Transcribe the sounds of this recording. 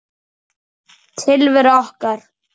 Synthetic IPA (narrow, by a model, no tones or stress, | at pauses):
t̪ʰɪlvɪɾɔhkaɾ̥